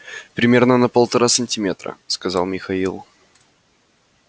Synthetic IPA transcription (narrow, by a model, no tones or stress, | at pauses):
pɾʲɪmʲe̞rnənəpəlˠt̪ɐɾasənʲtʲɪmʲe̞t̪ɾə̰skɐzɑ̰lˠmʲɪxɐilˠ